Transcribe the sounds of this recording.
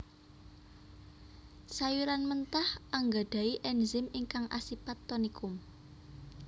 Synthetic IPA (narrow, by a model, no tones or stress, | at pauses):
sajuɾanmənt̪ahaŋɡad̥a̤iʔɛnzɪmiŋkaŋʔa̰sipat̪ːɔnikʊm